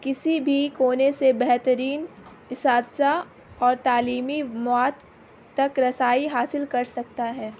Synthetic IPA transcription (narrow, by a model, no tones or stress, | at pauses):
kɪsibʱikoːnesebɛɦt̪əɾiːn | ɪsaːd̪sa | ɔːɾt̪aːliːmimɔːt̪ː | ɐkɾɐsaːiɦaːsɪlkɐɾsɐk̚t̪aɦɛː